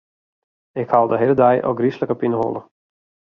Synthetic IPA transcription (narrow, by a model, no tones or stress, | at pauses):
ɪkhalˠdəɦelədɛjʔo̰ɡrisləkəpinəɦo̰lˠə